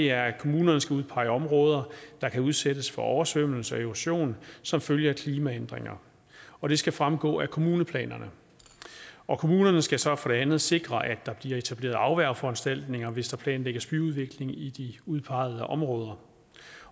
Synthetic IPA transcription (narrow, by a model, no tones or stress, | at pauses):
e̝æɐkʰo̝muːnɐnəsɡ̥æuðˠpʰɑ̈ɪəɒ̽mʁɔ̽ːð̞ˠɐd̥ɑ̈kʰæuð̞ˠsed̥əsfɒ̽ʔɒʊɐsʋøm̰l̩səɒ̽e̝ʋæɕo̝̰ːnsɒ̽mføljɐkʰliːmæend̥ʁeŋɐ | ɒ̽ɾ̥e̝sɡ̥æfʁamɡ̥ɔ̰̽ːækʰo̝muːnəpʰlɛ̰ːnɐnə | ɒ̽kʰo̝muːnɐnəsɡ̥æsɒ̽fɒ̽ɾ̥e̝ænð̞̩ˠse̝ɡ̥ʁɐʔæ̥ɑ̈b̥liɐe̝t͡sʰæb̥le̝̰ːɐð̩ˠɑ̈ʊʋæɐ̰fɒ̽ænsd̥æl̰d̥ne̝ŋɐʋe̝sd̥ɑ̈pʰlɛ̰ːnleɡ̥ɐsb̥yuð̞ˠʋe̝ɡ̥le̝ŋid̥iuðˠpʰɑ̈ɪð̞ˠəʔɒ̽mʁɔːð̞ˠɐ